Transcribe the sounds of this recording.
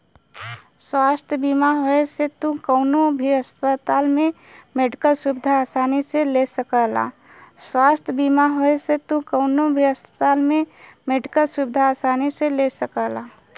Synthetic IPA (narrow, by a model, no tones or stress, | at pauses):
swaːst̪ʰjəbimaɦoeset̪ũkəʊnobʱiɦəspət̪aːlmẽ | meɖikəlsubɪd̪ʱaaːsaːniselesəkəla̰ | swaːst̪ʰjəbimaɦoeset̪ũkəʊnobʱiɦəspət̪aːlmẽmeɖikəlsubɪd̪ʱaːsaːniselesəkəlaː